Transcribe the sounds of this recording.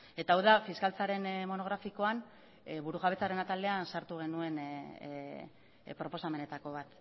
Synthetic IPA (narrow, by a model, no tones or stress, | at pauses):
e̞t̪aːwðafiskalt͡saɾe̞nmo̞no̞ɣ̞ɾafiko̞an | βuɾuɣaβe̞t͡saɾe̞nat̪ald̪e̞asaɾt̪uɣ̞e̞nue̞n | pɾo̞po̞same̞ne̞t̪ako̞β̞at̪